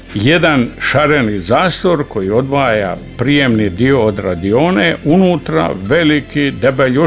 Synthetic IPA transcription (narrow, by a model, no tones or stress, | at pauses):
je̞d̪anʃaɾenizaːst̪ʋo̞ɾko̞jio̞d̪ʋaːja̰pɾije̞mnid̪io̞ːd̪ɾad̪ioːneʔunuːt̪ɾa̰ʋe̞likid̪ebeʎo